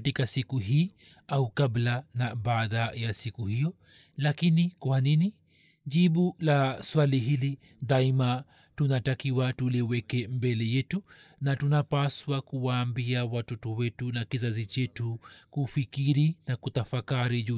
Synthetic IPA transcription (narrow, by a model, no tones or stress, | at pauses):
atikasikuɦiː | aukablanaɓaːðajasikuhijɔ | lakinikwanini | ʄiɓulaswaliɦili | ðaima | tunatakiwatuliwɛkɛmbɛlɛjɛtunatunapaswakuwaːmbiawatɔtɔwɛtunakizazit͡ʃɛtukufikiɾinakutafakaɾiʄu